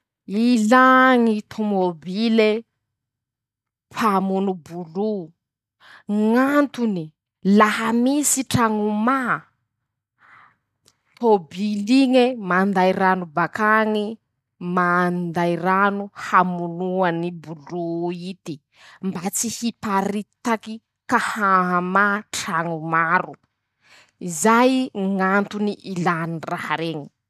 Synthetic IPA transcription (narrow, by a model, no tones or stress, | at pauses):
ilaŋit̪ʰomobile | pʰamunubulu | ŋant̪uni | laɦamisiʈ͡ʂaŋuma | t̪ʰobiliŋemand̪ajɾanubakaŋi | mand̪ajranuhamunuanibuluit̪i | mbat͡sihipaɾit̪aki | kahaɦamaʈ͡ʂaŋumaɾu | izajŋant̪uniʔilanirahaɾeɲi̥